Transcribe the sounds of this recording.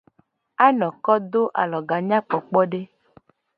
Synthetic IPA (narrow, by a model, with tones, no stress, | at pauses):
a˦nɔ̃˨kɔ˦d̪o˦ʔa̰˨lɔ˨ɡa˨ɲã˦k͡pɔ˨k͡pɔ˦ɖe˦